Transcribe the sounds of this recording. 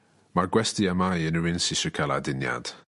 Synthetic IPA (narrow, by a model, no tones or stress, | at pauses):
maɡwɛstiamajənəwɪnsɪʃəkʰaladɪnja̰d̥